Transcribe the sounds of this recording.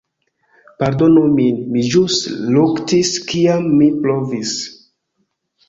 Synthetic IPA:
paɾdo̞numinmid͡ʒustluktiskiamːiplovis

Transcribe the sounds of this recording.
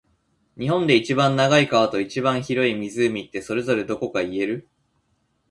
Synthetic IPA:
ɲ̟iɦõ̞nd̪e̞it͡ɕibãnːaɡaikaβ̞at̪o̞it͡ɕibãɰ̃çiɾo̞imʲizɨːmʲit̪ːe̞so̞ɾe̞zo̞ɾe̞d̪o̞ko̞kaie̞ɾɯ̟

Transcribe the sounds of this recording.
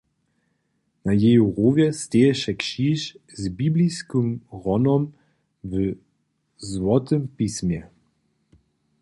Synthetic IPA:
najɛjuʁoːvʲjɛst̪ʲɛjɛʃɛkʃiːʃzbibliskɨmʁɔnɔm | v | zwɔt̪ɨmpismʲjɛ

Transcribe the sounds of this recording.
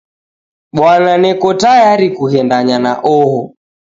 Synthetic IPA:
ɓwananɛkɔtajaɾikuɦɛndaɲana̰ʔɔɦɔ

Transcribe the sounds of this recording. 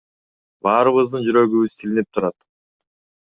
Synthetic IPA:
bɑːɾɯβɯzd̪ɯnd͡ʒyɾø̞ɡyβyz̥t̪ʰilinip̚t̪ʰuɾɑt̪

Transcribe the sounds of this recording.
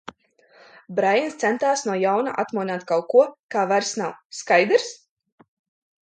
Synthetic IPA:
bɾajanst̪sɛnt̪aːsnuɔjawna̰ʔat̪muɔnaːt̪kawkuɔkaːvaɾsnawskajd̪ɾs

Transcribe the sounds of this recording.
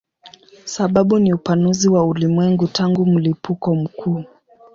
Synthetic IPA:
saɓaɓuniupanuziwaulimwɛŋɡutʰaŋɡum̩lipukɔm̩kʰuː

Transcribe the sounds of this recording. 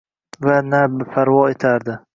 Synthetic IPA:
vanabpʰaɾwɒet̪ʰaɾd̪ɪ

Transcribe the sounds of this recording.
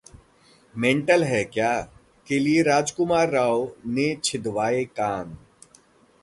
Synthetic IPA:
mẽːɳʈəlɦɛkjaː | kelieɾaːd͡ʒkʊmaːɾːaːonet͡ʃʰɪd̪ʋaːekaːn

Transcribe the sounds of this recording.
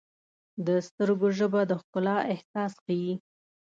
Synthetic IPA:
d̪əst̪əɾɡoʒəbad̪əxkʊlɑɪhsɑsxawi

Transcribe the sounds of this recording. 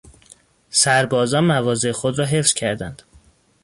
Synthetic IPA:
sæɾbɒːzɒːnmævɒːze̞exod̪ɾɒːɦe̞fsz̥cʰæɾd̪ænd̪̥

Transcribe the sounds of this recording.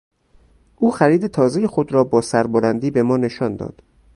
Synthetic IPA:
ʔuːxæɾiːd̪e̞t̪ʰɒːze̞jexod̪ɾɒːbɒːsæɾboɾænd̪iːbe̞mɒːne̞ʃɒːnd̪ɒ̰ːd̪̥

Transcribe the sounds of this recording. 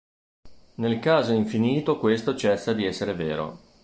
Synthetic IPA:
nelkaːzoiɱfiniːt̪okwest̪ot͡ʃɛsːad̪iɛsːeɾeveːɾo̰

